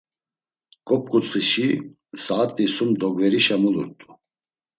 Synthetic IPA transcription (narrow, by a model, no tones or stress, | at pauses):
kʼɔp̚kʼut͡sʼχiʃi | saːt̪ʼisumd̪ɔɡvɛɾiʃamuluɾt̪ʼu